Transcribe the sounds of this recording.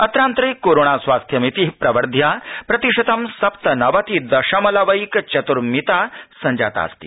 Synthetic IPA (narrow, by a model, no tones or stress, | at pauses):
ɐt̪ɾaːnt̪ɾɐjkːoɾoɳasʋaːst̪ʰjɐmit̪iɦpɾɐʋɐɾd̪ʱjapɾɐt̪iʂɐt̪ɐmsɐpt̪ɐnɐʋat̪id̪ɐʂamɐlaʋɐikt͡ɕɐt̪uɾmit̪asɐɲd͡ʑa̰ːt̪a̰st̪ḭ